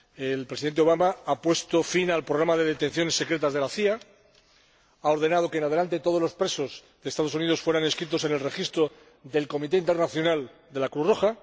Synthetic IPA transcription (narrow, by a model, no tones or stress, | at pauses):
elpɾesiðent̪eo̞β̞amaapwe̞st̪o̞finalpɾoɣɾamaðeð̞et̪ẽ̞n̟θjo̞ne̞sːe̞kɾe̞t̪azðe̞laθia | ao̞ɾð̞e̞nað̞okeːnað̞e̞lant̪e̞t̪o̞ðlo̞spɾe̞so̞zðe̞st̪aðounið̞o̞sfwe̞ɾane̞skɾit̪o̞se̞ne̞lre̞xist̪ɾo | ðe̞lko̞mit̪e̞int̪e̞rnaθjo̞nald̪e̞lakɾuro̞xa